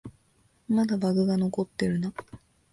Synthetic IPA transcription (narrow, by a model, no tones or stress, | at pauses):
mad̪abaɡɯ̟ɡano̞ko̞t̪ːe̞ɾɯ̟na